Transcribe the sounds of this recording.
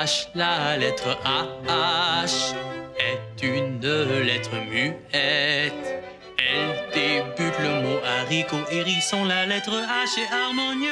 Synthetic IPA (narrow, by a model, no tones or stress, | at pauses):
ʃlalɛt̪χəʔaaʃɛt̪ynəlɛt̪χəmy | ɛt̪ | ɛld̪ebyt̪ləmoʔaʁikoʔeʁisɔ̃lalɛt̪χəaʃeaʁmɔn